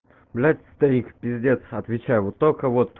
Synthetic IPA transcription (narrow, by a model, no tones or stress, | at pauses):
blʲatʲst̪ɾʲiŋkpʲɾʲɪzʲɪdʲent̪ɐt̪vʲɪt͡ɕæjvot̪ːolʲkəvot̪ː